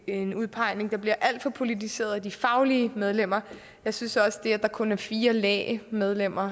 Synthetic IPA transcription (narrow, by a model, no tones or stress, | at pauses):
e̝nuð̞ˠpʰɑ̈ɪ̰ne̝ŋd̥ɑ̈b̥liɐʔæl̰d̥fɒ̽pʰo̝lit͡sʰise̝̰ːɐðˠæd̥ifɑ̈ʊliəmeð̞ˠlem̰ɐ | jɑ̈ɪsynsɒ̽sə̥d̥e̝æɐd̥ɑ̈kʰɔ̽næɐfiːɐlɛ̰ːɪmeð̞ˠlem̰ɐ